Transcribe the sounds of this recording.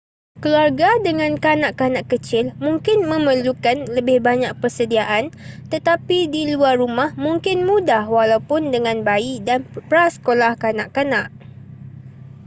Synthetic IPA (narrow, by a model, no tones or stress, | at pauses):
kəluarɡadəŋãnkanaʔkanãʔkət͡ʃɪlmũŋkɪnmə̃məlukanləbɪhbaɲak̚pərsədiaʔant̪ət̪apidiluarːumãhmũŋkɪnmũdahwalawpʊndəŋãnbaiʔdanpɾasə̥kolahkanaʔkanãʔ